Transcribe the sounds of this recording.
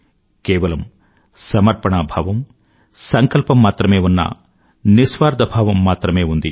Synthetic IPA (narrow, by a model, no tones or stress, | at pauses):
kɛːʋɐlɐm | sɐmɐɾpɐɳaːbʱɐʋɐm | sɐŋkɐlpɐmːaːt̪ɾɐmeːunːɐ̰ | nisʋaːɾd̪ʱɐbʱaːʋɐmːaːt̪ɾɐmeːund̪i